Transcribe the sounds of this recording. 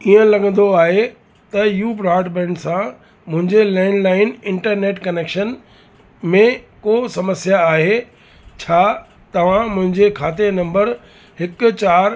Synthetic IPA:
iːə̃lɐɡə̃n̆d̪oaːɦe | t̪ɐjuːbɾaːɖbɛ̃ːɳɖsã | mʊ̃ɦɪ̃ɲd͡ʑelaːɪnlaːɪnɪ̃ɳʈəɾneːʈkɐneːkʃən | mẽkoːsɐməsjaːɦe | t͡ɕʰaː | t̪ɐʋ̤ãmʊ̃ɦɪ̃ɲd͡ʑekʰaːt̪enɐ̃mbəɾ | ɦɪkʊ̆t͡ɕaːɾ

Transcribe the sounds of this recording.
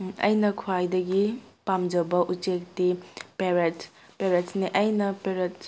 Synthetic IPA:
ɐ̰jnɐkʰwajdɐɡipamd͡ʒɐbɐʔut͡ʃek̚tipeɾet | peɾetsniʔɐjnɐpeɾet̚

